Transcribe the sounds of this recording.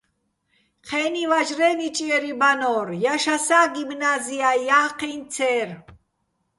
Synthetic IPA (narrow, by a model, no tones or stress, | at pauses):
qʰɛːnivaʒɾɛnit͡ʃʼiɛɾibanɔɾjaʃasaːɡimnaziajaqʰint͡sʰɛɾ